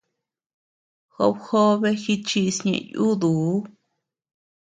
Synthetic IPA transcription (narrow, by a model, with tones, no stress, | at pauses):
xo̰˧˦bxo˦βe˦xi˦t͡ʃi˧sɲḛ̃˧˨ʔju˦d̪u˨˦